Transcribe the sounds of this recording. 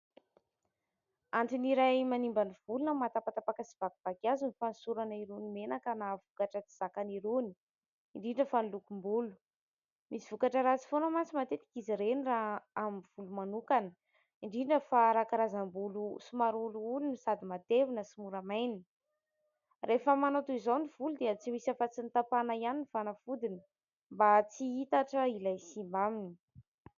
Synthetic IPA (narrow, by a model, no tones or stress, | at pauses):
aɳʈ͡ʂiniɾajmanimbaniv̥ulunəmat̪apat̪apakəsi̥v̥akuv̥akiazunifansuɾanəiɾunimenakənavukaʈ͡ʂət͡si̥z̥akaniɾuni̥ | iɳɖ͡ʐiɖ͡ʐəfanlukumbulu̥ | misiv̥ukaʈ͡ʂəɾat͡si̥fonəmant͡simat̪et̪i̥kiziɾeniraɦamiv̥ulumanukanə | iɳɖ͡ʐiɖ͡ʐəfaɾakaɾazambulusumaɾuluulunisad̪imat̪evinəsimuɾamajni | refəmanot̪uizoniv̥ulud̪eət͡simisafat͡sint̪apanaianinifanəfud̪inə̥ | mbat͡siit̪aʈ͡ʂəilajsimbamini̥